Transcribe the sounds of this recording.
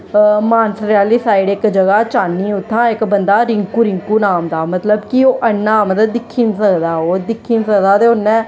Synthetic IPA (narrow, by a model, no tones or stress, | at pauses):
maːnsəɾaːliːsaːiɽɪkd͡ʒəɡaːt͡ʃaːnːiːʊt̪ʰːãːɪkbənd̪aːɾɪŋkuːɾɪŋkuːnaːmd̪aːmət̪ləbkioːʔənːaːmd̪əd̪ɪkʰːiːnsəkd̪aːoːd̪ɪkʰːiːnsəkd̪aːt̪eːʊnːɛ̃ː